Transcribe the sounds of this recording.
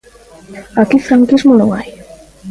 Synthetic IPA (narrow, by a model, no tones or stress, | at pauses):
akifɾaŋkizmonõŋaj